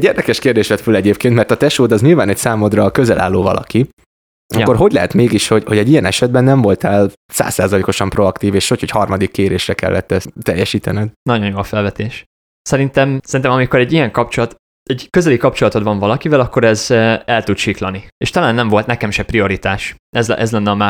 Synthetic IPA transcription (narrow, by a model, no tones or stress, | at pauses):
ɟːeːrd̪ɛkɛʃkeːrd̪eːʃʋɛt̪følɛɟeːpkeːnt̪mɛrt̪ɒt̪ɛʃoːd̪ɒzɲilvaːnɛcsaːmod̪rɒkøzɛlʔa̰ːlːoːvɒ̰lʔɒ̰ki | ɒkːo̞rɦo̞ɟlɛɦɛt̪meːɡiʃho̞ɟho̞ɟɛɟijɛnɛʃɛd̪̚bɛnːɛɱvo̞lt̪aːl | sa̰ːsːaːzɒleːko̞ʃɒmpro̞ɒkt̪iːveːʃocho̞chɒrmɒd̪ikːeːɾeːʃrɛkɛ̰lːɛ̰t̪ːɛt̪ɛjːɛʃiːt̪ɛnɛd̪nɒɟo̞njoːlfɛlvɛt̪eːʃ | sɛɾint̪ɛmsɛɾint̪ɛmɒmiko̞ɾɛɟːijɛŋkɒp̚t͡ʃolɒt̪ | ɛɟkøzɛlikɒp̚t͡ʃolɒt̪o̞d̪vɒɱvɒlɒkivɛlɒkːo̞ɾɛzɛlt̪ut̪ʃiklɒnieːʃt̪ɒlaːnːɛɱvo̞lt̪nɛkɛmʃɛprio̞ɾit̪aːʃɛzʔɛzlɛnːɛɒmaː